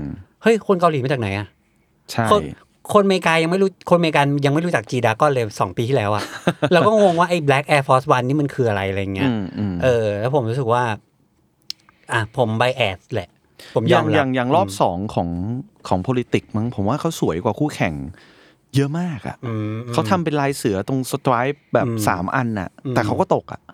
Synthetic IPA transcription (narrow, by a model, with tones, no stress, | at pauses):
hɤ˦˥˩jkʰo˧nka˧liː˨˩˦a˧˥˩t͡ɕa˨˩kna˩˦jʔa˨˩ʔ | t͡ɕʰa˥˩o˧j | kʰo˧nmeː˧kaː˧ja˧ŋma˥˩ju˦˥kʰo˧nmeː˧k̬aː˧nja˧ŋma˥˩jɾu˦t͡ɕa˨˩k̚t͡ɕiː˧daː˧kɔː˥˩nlɤː˧jsɔː˩˦ŋpiː˧t̪ʰiː˥˩lɛː˦˥wʔa˨˩ʔlɛː˦˥wkɔː˥˩ŋ˩o˧ŋwaː˥˩ʔa˥˩jblɛː˦˥k̚ʔɛː˧fʰɔː˦˥swa˧nːiː˥˩ma˧nkʰɯː˧ʔa˧ɾa˧jʔa˧ɾa˧ja˨˩ŋːi˦˥ɐː˦˧ʔɤː˧lɛ˦˥pʰo˩˦mɾuː˦˥sɯ˨˩k̚waː˥˩ | ʔa˧˩pʰo˨˩˦mba˧jʔɛː˨˩t̪̚lɛ˨˩ʔ | pʰo˩˦mjɔaː˧ŋja˧˨˩ŋja˨˩ŋɾɔː˥˩p̚sɔː˩˦ŋkʰɔː˩˦ŋkʰɔː˩˦ŋpʰoː˧li˦˥t̪i˨˩k̚ma˧˩ŋpʰo˩˦mwaː˥˩kʰa˦˥wsu˨˩˦əjkwaː˨˩kʰuː˥˩kʰɛ˨˩ŋ | jɤ˦˥ʔmaː˥˩k̚ʔa̰˨˩ʔʔɯː˧˩mʔkːʰa˦˥wt̪ʰa˧mpe˧nlaː˧jsɯ˩˦ɐt̪o˧ŋsa˧t̪ɾaː˦˥jp̚bɛː˨˩p̚ːsa̰ː˩˦mʔa˧nʔa̰˨˩ɯː˧ɛː˨˩kʰa˦˥wkɔː˥˩t̪o˨˩k̚ʔa̰˨˩ʔ